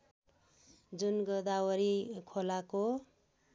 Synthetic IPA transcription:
d͡zunɡʌd̪awʌɾikʰolako

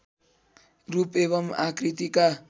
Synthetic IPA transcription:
rupebʌmakrit̪ika

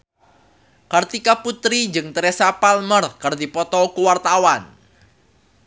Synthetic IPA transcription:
kərt̪ikaput̪ɾid͡ʒɨŋt̪ɾɛsapalmərkərd̪ipɔt̪ɔkuwart̪awan

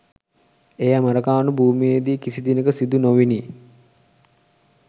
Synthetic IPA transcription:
ejaməɾəkaːnubʱuːmijed̪ikisid̪inəkəsid̪unoʋini

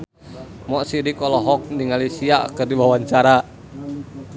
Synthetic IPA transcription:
mɔʔsidikɔlɔɦɔk̚ndiŋalisia̰kərdiwawaɲt͡ʃaɾa

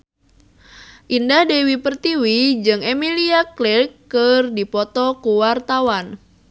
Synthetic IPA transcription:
ʔindahdewipərt̪iwid͡ʒɨŋemiliaklɪrkːɨrdipɔt̪ɔkuwart̪awan

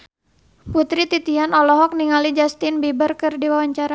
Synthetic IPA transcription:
put̪ɾit̪it̪ianɔlɔɦɔk̚niŋalid͡ʒast̪ɪnbibarkɨrdiwawaɲt͡ʃaɾa

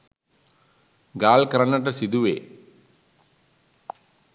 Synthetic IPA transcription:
ɡaːlkɐɾɐnɐʈ̬ɐsid̪uʋeː

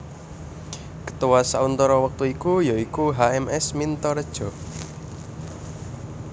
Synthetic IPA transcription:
kə̥t̪uwasaunt̪ɔɾɔwək̚t̪uikujoikuɦaɛmɛsmint̪ɔɾəd̥ʒ̥ɔ̤

